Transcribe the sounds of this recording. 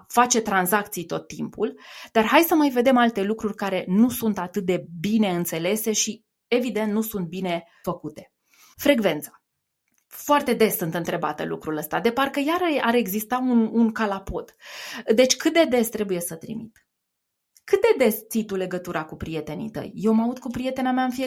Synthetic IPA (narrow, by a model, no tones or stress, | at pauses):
fat͡ʃe̞t̪ɾanzakt̪sijt̪o̞t̪ːimpʰuld̪arɦajsəmajve̞d̪e̞malt̪e̞lukɾurʲkaɾe̞nusunt̪at̪ɨt̪̚d̪e̞bine̞ɨnt̪se̞le̞se̞ʃi | e̞vid̪e̞nt̪nusunt̪̚bine̞ | fəkut̪e̞̥ | fɾe̞ɡve̞nt̪sḁ | foart̪e̞d̪e̞sːɨnt̪ɨnt̪ɾe̞ba̰t̪ə̰lṵkɾuləst̪ad̪e̞parkəjaɾəaɾe̞ɡzist̪aununkalapo̞t̪d̪e̞t͡ʃʲkɨt̪̚d̪e̞d̪e̞st̪ɾe̞buje̞sət̪ɾḭmḭt̪ | kɨt̪̚d̪e̞d̪e̞st̪sit̪ule̞ɡət̪uɾakupɾije̞t̪e̞nḭt̪ə̰jjːewmaud̪kupɾije̞t̪e̞namaɨnfie